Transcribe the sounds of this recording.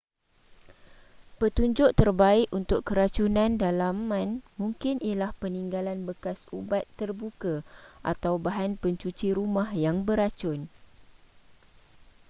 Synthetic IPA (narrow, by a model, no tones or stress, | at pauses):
pət̪uɲd͡ʒʊʔt̪ərbaɪʔunt̪ʊkkəɾat͡ʃunãndalamːãnmũŋkɪnʔijalahpəniŋɡalanbəkasubat̪ːərbukaʔa̰t̪awbaɦanpəɲt͡ʃut͡ʃiɾumahjaŋbəɾat͡ʃʊn